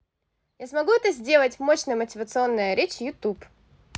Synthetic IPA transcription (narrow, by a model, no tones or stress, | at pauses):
jasmɐɡuɛt̪əzʲdʲe̞lˠətʲmo̞ɕnəjəmətʲɪvət̪sɨo̞nːəjəɾʲet͡ɕjʊt̪up